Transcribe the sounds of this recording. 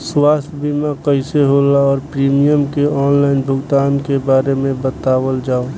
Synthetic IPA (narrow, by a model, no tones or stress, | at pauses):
swaːst̪ʰbimakəɪseɦolaɔːɾpɾiːmijəmkeɔːnlaːɪnbʱʊɡt̪aːnkebaːɾemẽbət̪aːwəld͡ʒaːo